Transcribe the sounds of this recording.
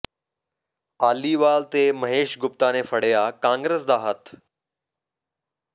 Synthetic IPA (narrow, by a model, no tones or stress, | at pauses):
aːliʋaːlt̪emɐɦeːʃɡʊpt̪anefɐɽ̤jakãːŋɡɾeːsd̪aːɦət̪